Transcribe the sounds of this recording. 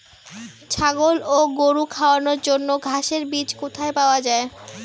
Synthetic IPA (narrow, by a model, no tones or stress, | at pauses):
t͡ɕʰaɡoloɡoɾukʰaoanoɾd͡ʑonːoɡʱaʃeɾbit͡ɕkot̪ʰaepaoad͡ʑae